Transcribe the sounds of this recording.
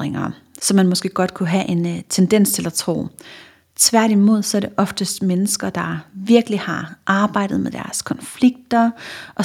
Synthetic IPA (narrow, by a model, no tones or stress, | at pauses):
ʁeŋɐ | sɒ̽mːænmɒ̽sɡ̥e̝̰ːɡ̥ɒ̽d̥̚kʰuɦæʔe̝nt͡sʰend̥en̰st͡sʰe̝læt͡sʰʁo̝̰ː | t͡sʰʋæɐɾ̥imo̝ð̞̰ˠsɒ̽æɐɾ̥e̝ʔɒ̽fd̥əsd̥menəsɡ̥ɐd̥ɑ̈ʋiɐɡ̥əlihɑ̈ʔɑ̈ːb̥ɑ̈ɪ̰d̥ð̞̩ˠmeðˠd̥æɐskʰɒ̽nfliɡ̥̚d̥ɐʔɒ̽